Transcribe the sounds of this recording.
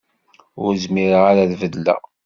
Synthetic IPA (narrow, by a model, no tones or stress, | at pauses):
ʊɾzmiɾaʁaɾaðvəðlæ̰